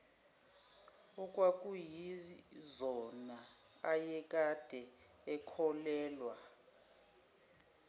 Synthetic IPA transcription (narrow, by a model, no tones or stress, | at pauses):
ɔkʼwak̬ʼujizɔnaajɛk̬ʼad̥ʱɛ | ɛkʰɔlɛːlwa